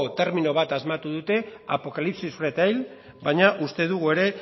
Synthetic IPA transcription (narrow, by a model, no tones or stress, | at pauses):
ot̪e̞ɾminoβ̞at̪azmat̪uðut̪e̞apo̞kalipsisret̪ajl | bajɲaʔust̪e̞ðuɣue̞ɾe̞